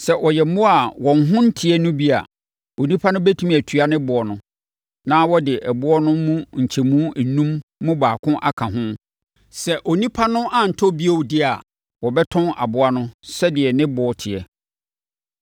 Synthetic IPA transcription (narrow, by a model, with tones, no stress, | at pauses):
sɛ˨ʔɔ˨jɛ˨m̩˦mʊ̃˦a˨wɔ̃˨nɦʊ̃˦n̩˦tʰɪ˨ɛ˦nʊ̃˦bi˦a̰˨ | o˨nĩ˦pʰa˦nʊ̃˦bæ˦tʰũ˦m˨æ˨tʰɥa˦nɪ̃˦bʊ˨ɔ˨nʊ̃˦ | nãː˦wɔ˦dɪ˨ʔæ˨bʊ˦ɔ˦nʊ̃˦mũ˦ɲ̩˨t͡ɕʰɛ˨mũ˦æ˨nũ˦mːʊ̃˦baː˨kʰʊ̃˦ʔa˦kʰã˨ɦʊ̃˦ | sɛ˨ʔo˨nĩ˦pʰa˦nʊ̃˦ʔa˨n̩˨tʰɔ˦bi˦o˦wdɪ˦a˨ | wɔ˨bɛ˦tʰɔ̃˦na̰˨bʊ˨a˦nʊ̃˦sɛ˦dɪ˨ɛ˨nɪ̃˦bɔ˨ɔ˦tʰɪ˨ɛ˨